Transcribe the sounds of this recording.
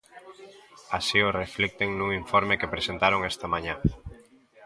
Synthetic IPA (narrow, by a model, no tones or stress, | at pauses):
asioreflek̚t̪eŋnuŋiɱfoɾmekepɾesẽnt̪aɾoŋest̪amãɲã